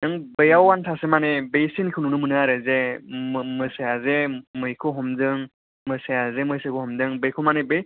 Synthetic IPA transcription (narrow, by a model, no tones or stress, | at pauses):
nɯŋbɯjawːantʰasemanebejsinkʰɯnunɯmɯnɯaɾɯze | mɯsejazemɯjkʰɯɦɔmzɯŋ | mɯsejazemɯjsekʰɯhɔmzɯŋbejkʰɯmanebej